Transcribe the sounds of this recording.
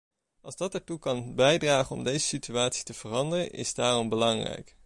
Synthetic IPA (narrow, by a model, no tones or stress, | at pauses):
ʔɑlˠzdɑtɛɹtukɑnbɛjdraːχənɔ̰mdejzəsityaːtsi̥təv̥ərɑndərənʔɪ̰zdaːrɔmbəlɑŋrɛ̰jk